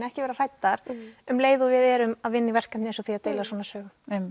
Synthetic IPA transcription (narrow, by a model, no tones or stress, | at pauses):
nɛhcɪvɛːɾar̥ajt̪ːaɾ̥ʏmleːjðʊvɪðɛɾʏmaðvɪnːɪvɛr̥kam̥ejnsɔθiaðt̪eːjlaswɔːnasœːɣʏ